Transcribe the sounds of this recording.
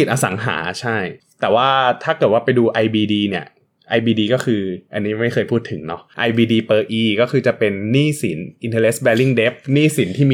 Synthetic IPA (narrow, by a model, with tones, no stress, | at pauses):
i˨˩ʔa˧sa˩˦ŋɦa̰ː˩˦t͡ɕʰa˥˩j | t̪ɛː˨˩waː˥˩t̪ʰaː˥˩kɤː˨˩t̪̚waː˥˩pa˧jduː˧ʔa˧jbiː˧diː˧ni˥˩ɐ | ʔa˧jbiː˧diː˧kɔː˥˩kʰɯː˧ʔa˧nːiː˦˥ma˥˩jxʰɤː˧jpʰuː˥˩t̪ʰːɯ˩˦ŋnɔ˦˥ʔa˧jbiː˧diː˧pɤː˧ʔiː˧kɔː˥˩kʰɯː˧t͡ɕa˨˩pe˧nːiː˥˩si˩˦nʔi˧nt̪ʰɤː˧le˦˥sbɛː˧li˥˩ŋde˦˥p̚niː˥˩si˩˦nt̪ʰiː˥˩miː˧